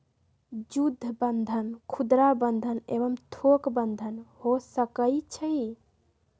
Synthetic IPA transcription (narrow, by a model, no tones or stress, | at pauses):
d͡ʒud̪ʱːəbənd̪ʱənkʰud̪ɾabənd̪ʱənḛbəmt̪ʰokbənd̪ʱənhosəkət͡ʃʰəi